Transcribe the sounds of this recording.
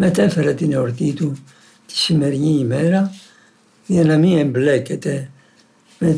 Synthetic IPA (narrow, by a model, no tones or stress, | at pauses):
mɛt̪ɛfɛɾat̪inoɾt̪it̪u | t̪i̥simɛɾɲimɛɾa | iɛnamiɛmblɛkːet̪ɛ | mɛ